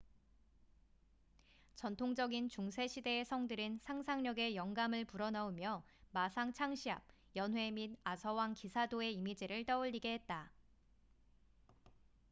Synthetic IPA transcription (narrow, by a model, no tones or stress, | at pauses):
t͡ɕʌntʰoŋd͡ʑʌɡint͡ɕuŋs̬ʰe̞ɕʰide̞ːsʰʌŋdɯɾɯnsʰaŋsʰaŋɲʌɡe̞jʌŋɡamɯɭpuɾʌnaumjʌmasʰaŋt͡ɕʰaŋɕʰiɦa̰b̚ | jʌnwe̞minasʰʌwaŋkisʰadoe̞imid͡ʑiɾɯɭt͈ʌuʎːiɡe̞ɦe̞t̚t͈a